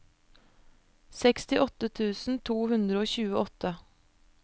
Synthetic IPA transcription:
sɛkst̪ɪʔɔt̪ət̪ʰʉːsn̩t̪ʰuːhʉnd̪ɾəoːçʉːəʔɔt̪ə

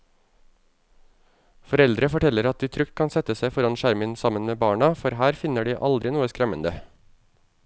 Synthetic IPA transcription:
fɔɾɛld̪ɾəfɔʈʰɛləɾɑt̪̚d̪iːt̪ʰɾʏk̚t̪̚kʰɑnsɛt̪əsæɪfɔɾɑnʃæɾmɪnsɑmənmeːbɑːɳɑfɔɾhæːɾfɪnəɖiːʔɑ̰ld̪ɾɪnuːəskɾɛmənd̪ə

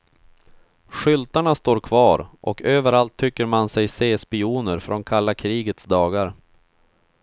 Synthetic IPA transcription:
ɧʏlt̪aɳast̪oːɾkʰvɑːɾʔɔ̰køːvəɾalt̪ʰːʏkːəɾmansɛjseːspɪuːnəɾfɾʔɔnkʰalːakʰɾiːɡət̪sd̪ɑːɡaɾ

